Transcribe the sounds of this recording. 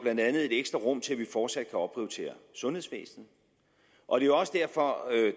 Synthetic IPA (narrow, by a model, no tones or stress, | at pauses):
b̥lænd̥ænð̞̩ˠe̝d̥eɡ̥sd̥ʁɐʁɔ̽m̰t͡sʰe̝læʋifɒːd̥sæd̥̚kʰæɒ̽b̥ʰʁiʊt͡sʰe̝̰ːɐsɔ̽nhe̝ðˠsʋḛːsn̩ | ʔɒ̽d̥e̝joɒ̽səd̥æɐ̰fɒ̽ø